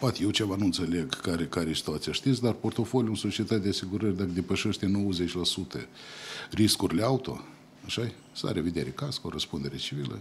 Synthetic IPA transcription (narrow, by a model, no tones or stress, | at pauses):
pat̪jewt͡ʃevanuɨnt̪se̞leɡkaɾekaɾesi̥t̪uat̪sijaʃt̪it̪s̬ʲd̪arpo̞rt̪o̞folʲjunsot͡ʃiet̪at̪̚ʲd̪easiɡuɾərʲd̪akəd̪e̞pəʃeʃt̪e̞no̞wəze̞t͡ʃʲlasut̪ə̰ | riskurʲileaut̪o̞̰ | aʃa | sa̰ɾevid̪eɾekaskoɾəspund̪e̞ɾet͡ʃivilə̰